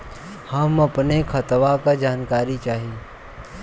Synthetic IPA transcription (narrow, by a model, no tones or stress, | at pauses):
hɐmɐpnekʰɐt̪ʋakad͡ʒaːnkaːɾit͡ʃaːɦieː